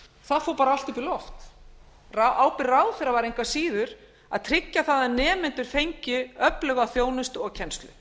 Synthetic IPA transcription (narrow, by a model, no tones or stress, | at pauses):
θaðfoːwpaːɾaalt̪ʏpilɔft̪ | raʔaːwpɪɾraːwðθɛɾavaɾejŋkvasiːðʏɾ | a̰ðt̪ʰɾɪcːaθaðanɛːmɪnt̪ʏɾ̥fejɲcɪœplœɣaθjoːwnɪst̪ɔɣcʰɛnst̪lʏ̰